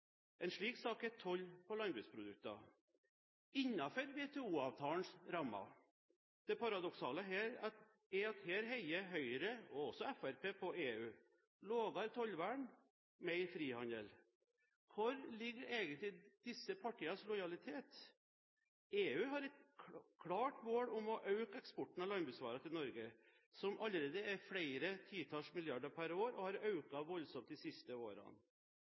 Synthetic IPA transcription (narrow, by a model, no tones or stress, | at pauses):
ʔɛɪnʂɭiːksɑːkɛt̪ʰɔlːpɔlɑnbʉspʰɾʊd̪ʉk̚t̪ɑ̰ | ɪɲːɑfɔɾʋeːt̪ʰɛuːɑʋt̪ʰɑːənsɾɑmːɑ̰ | d̪̥ɛpʰɑɾɑd̪ɔksɑːləɦeːɾɑt̪ | ɛɑt̪heːɾɦɛɪəɦœʏəɾəɔɔsɔɛfæɾpʰeːpʰɔeːʉː | loːɡɑɾt̪ʰɔlʋæɳ | mɛɪfɾiːhɑnd̪əl | kʰʊɾlɪɡːəɾeːɡənt̪lɪd̪̥ɪsːəpʰɑʈʰiːɑslɔjɑlɪt̪ʰeːt̪ | eːʉːɦɑɾɛt̪kʰɽɑːʈmoːɽʊmɔʔɑʉkɛkspɔʈːn̩ɑlɑnbʉːsʋɑːɾɑt̪ʰɪlnɔɾɡə | sɔmʔɑləɾeːd̪əæɾfɽæɪɾət̪ʰiːt̪ʰɑʂmɪljɑɖəɾpʰæɾoːɾɔhɑɾɑʉkɑʋɔlsɔmt̪̚d̪ɪsɪst̪əo̰ːɾɑ̰n